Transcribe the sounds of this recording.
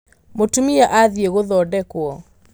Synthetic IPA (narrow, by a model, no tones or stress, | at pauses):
motumiaʔaðieɣoðɔdɛkwɔ